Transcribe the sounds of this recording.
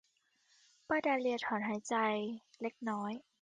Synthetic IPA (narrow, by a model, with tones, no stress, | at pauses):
paː˧˩daː˧li˧t̪ʰɔː˩˦nɦaː˩˦jt͡ɕa˧jle˦˥k̚nɔː˦˥j